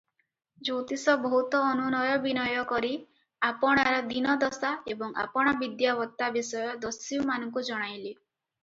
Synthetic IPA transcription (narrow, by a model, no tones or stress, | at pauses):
d͡ʒot̪isɔbɔɦut̪ɔːnunɔjɔbinɔjɔkɔɾi | apɔɽ̃aɾɔd̪inɔd̪ɔsaebɔŋa̰pɔɽ̃abid̪jabɔt̪ːabisɔjɔd̪ɔsiwmanɔŋkud͡ʒɔɽ̃ajli